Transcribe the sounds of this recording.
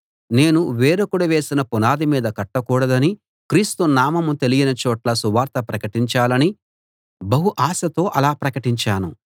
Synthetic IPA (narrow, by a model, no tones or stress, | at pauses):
ne̞ːnuʋeːɾɐkuɽɐʋe̞ːsinɐpunaːd̪imiːd̪ɐkɐʈːɐkuːɽɐd̪ɐni | kɾiːst̪unaːmɐmut̪e̞lijinɐt͡ʃɔːʈlɐsuʋaːɾt̪ɐpɾɐkɐʈiɲt͡ʃaːlɐni | bɐɦuʔaːsɐt̪o̞ːʔɐlaːpɾɐkɐʈiɲt͡ʃaːnu